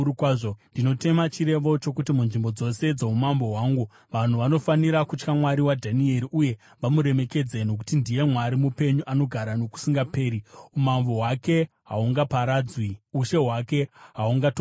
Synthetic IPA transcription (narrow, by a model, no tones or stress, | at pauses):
kwaʐondino̞te̞mat͡ʃiɾe̞ʋo̞t͡ʃo̞kut̬imunʐimbo̞d͡zo̞se̞d͡zeumambo̞ɦwaːŋɡu | ʋan̤uʋano̞faniɾakut͡ʃkamwaɾiwadʱanie̞ɾiʔuje̞ | ʋamuɾe̞me̞ke̞d͡zeno̞k̬u̥tindije̞mwaɾimupe̞ɲuʔano̞ɡʱaɾano̞ku̥siŋɡape̞ːɾiumambo̞ɦwake̞ | ɦa̰uŋɡapaɾad͡zwiuʃe̞ɦwake̞ɦauŋɡato